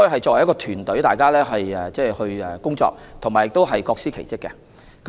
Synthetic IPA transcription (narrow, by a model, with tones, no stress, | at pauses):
ɔ˥˩hɐ˨jt͡sɔː˧k̚wɐ˨˩jɐ˥kɔ˧t̪ʰyː˨˩nt̪ɵ˨˥ɥjt̪aː˨jkaː˥lɛː˥ɦɐ˨jɛː˨˩t͡sɛː˥˩hɵ˧ɥɛː˨˩kʊ˥ŋt͡sɔ̰ː˧k̚t̪ʰʊ˨˩ŋmaː˨˩jɪ˨k̚t̪o˥wɦɐ˨jkɔː˧k̚siː˥kʰe˨˩jt͡sɪ˥kːɛ˧ | k